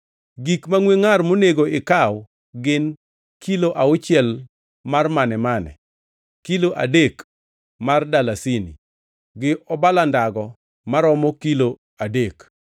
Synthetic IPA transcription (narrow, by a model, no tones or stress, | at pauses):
ɡikmaŋweŋarmoneɡoɪkaw | ɡɪn | kiloʔaʊt͡ʃɪjɛl | marmanɛmanɛ̰ | kiloʔa̰dek | mardalasinḭ | ɡɪʔɔbalandaɡɔ | maɾɔmɔkilo | adek